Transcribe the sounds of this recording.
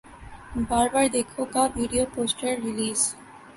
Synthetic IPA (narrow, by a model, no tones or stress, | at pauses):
baɾbaɾd̪ekʰokabʱiɖioposʈeɾːiliz